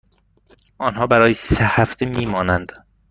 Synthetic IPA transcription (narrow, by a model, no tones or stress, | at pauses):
ʔɒːnɦɒːbæɾɒːjesehæft̪ʰemiːmɒːnænd̪̥